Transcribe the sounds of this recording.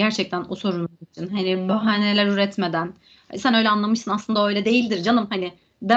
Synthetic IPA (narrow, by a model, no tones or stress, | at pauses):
ɟæɾt͡ʃʰɛc̚t̪ʰænuso̞ɾunit͡ʃʰinɦanɪbaɦaːnelʲæɾyɾɛt̪me̞d̪æn̰ | sænø̞jlʲɛanlˠamɯʃsɯnaslˠɯnd̪aø̞jlʲɛd̪e̞jilʲd̪iɾd͡ʒanɯmhanɪ | b̪æ